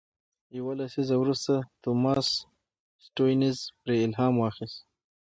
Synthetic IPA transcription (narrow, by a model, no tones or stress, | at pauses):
jawalasizawɾust̪at̪omɑs | sʈojnɪzpɾeɪlɦɑːmwɑxɪst̪